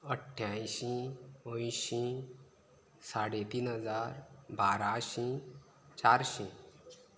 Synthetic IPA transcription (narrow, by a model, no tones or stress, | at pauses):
əʈʰːjãjɕĩõjɕĩ | saɽet̪iːnɦəd͡zaɾbʱaɾaɕĩ | t͡ɕaɾɕĩ